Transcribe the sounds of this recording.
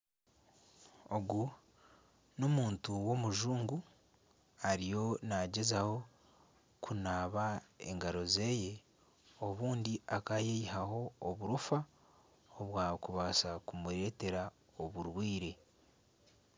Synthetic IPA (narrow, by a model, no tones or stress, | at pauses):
o̞ɡu | nomuːntuwo̞muʒuːŋɡu | aɾijo̞naɟe̞zaho̞ | kʰunaːβae̞̰ŋɡaɾo̞ze̞ːje̞ | o̞βuːndiakajeiɦaho̞ːβuɾufa | oβwaːkuβaːsakumuɾe̞te̞ɾa | o̞βuɾwiːɾe̞